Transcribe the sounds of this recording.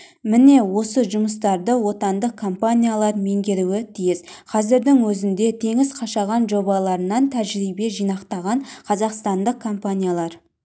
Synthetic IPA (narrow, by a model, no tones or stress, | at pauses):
mɪne̞wo̞səʒʊməs̬t̪ɑɾd̪əwo̞t̪ɑnd̪əq̚kʰːo̞mpanʲijalˠɑɾme̞ŋɡʲe̞ɾuɪt̪ʰijɪzqʰɑzɪɾd̪ɪŋwɵzɪnd̪e̞t̪ʰe̞ŋɪzqʰɑʃɑʁɑnʒo̞bɑlˠɑɾənɑnt̪ʰæʒɾijbe̞ʒijnɑqt̪ɑʁɑɴqʰɑzɑqst̪ɑnd̪əqʰːo̞mpanʲijalˠɑɾ